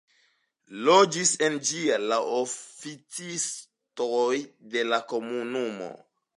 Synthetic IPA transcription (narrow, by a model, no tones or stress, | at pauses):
lod͡ʒise̞nd͡ʒialaʔofit͡sis | tojde̞lako̞munumo̰